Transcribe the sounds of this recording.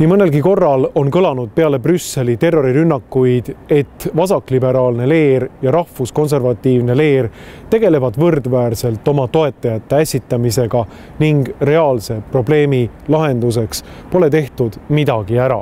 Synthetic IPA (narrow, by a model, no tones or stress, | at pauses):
nmɤnːe̞lɡiko̞rːɑlo̞nkɤlɑnud̪̥̚pe̞ɑle̞prysːe̞lit̪e̞rːo̞ɾiɾynːɑkːujd̪̥e̞t̪ːvɑsɑkːˑlibe̞ɾɑːlne̞le̞ːɾjɑɾɑhfusko̞ns̬e̞rvɑt̪ːiːvne̞le̞ːrt̪e̞ɡ̥e̞le̞vɑd̪̥vɤrd̪̥væːrse̞lt̪ːˑo̞mɑt̪o̞e̞t̪ːˑɑjɑt̪ːe̞æsʲit̪ːˑɑmise̞ɡ̥ɑ | niŋɡre̞ɑːlse̞pro̞ble̞ːmi | lɑɦe̞nd̪us̬e̞kspo̞le̞t̪e̞ht̪ud̪̥mid̪ɑɡ̥iæɾɑ̰